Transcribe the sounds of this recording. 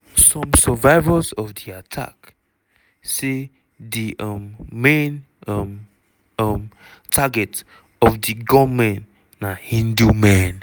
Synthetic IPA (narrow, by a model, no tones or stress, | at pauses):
sɔ̃msəvaɪvəzɔvdiatʰa̰k | se | diɔmːɛ̃n | m | ɔm | tʰaɡɛt | ɔvdiɡɔmɛ̃nː | ahĩndumɛ̃n